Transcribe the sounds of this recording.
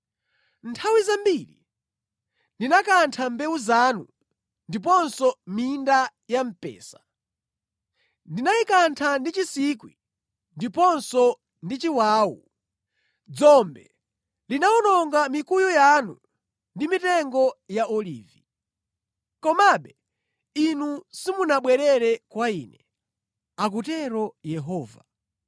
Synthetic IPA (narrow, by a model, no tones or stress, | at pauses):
ntʰawizambiːlḭ | ndinakantʰambɛuzanu | ndip̬ɔnsɔminda | jam̩pɛ̰ːsḁ | ndinajikantʰandit͡ʃisikwḭ | ndipɔnsɔ | ndit͡ʃiwaːwṵ | d͡zɔmbɛ | linaɔnɔŋɡamikujɔjanu | ndimitɛŋɡɔjaʔɔlḭːvi | kɔmaɓɛ | inusimunaɓwɛɾɛɾɛkwaiːnɛ | ak̬utɛɾɔjɛɦɔːva